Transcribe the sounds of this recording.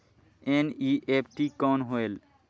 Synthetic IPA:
eniʔepʰʈikɔnɦoel

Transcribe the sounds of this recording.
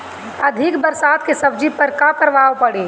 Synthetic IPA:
ɐd̪ʱɪkbəɾsaːd̪kesɐb̚d͡ʒipəɾkakəɾʋaːʋpɐɽeː

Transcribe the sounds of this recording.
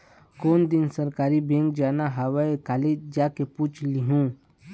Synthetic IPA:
koːnd̪ɪnsəɾkaːɾibẽŋkd͡ʒaːnaɦawaekaːled͡ʒd͡ʒaːkepuːt͡ʃʰliɦũː

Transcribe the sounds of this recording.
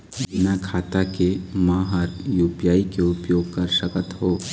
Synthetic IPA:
bɪnakʰaːt̪akemãːɦəɾjuːpjaːikeʊpjoːɡ̚kɐɾʃəkət̪ɦoː

